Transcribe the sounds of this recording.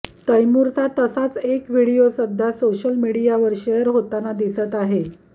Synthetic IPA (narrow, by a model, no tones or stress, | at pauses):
t̪əjmuɾt͡sat̪əsat͡sekʋiɽijosəd̪ʱjasoɕəlmiɽijaʋəɾɕejəɾɦot̪anad̪isət̪aɦe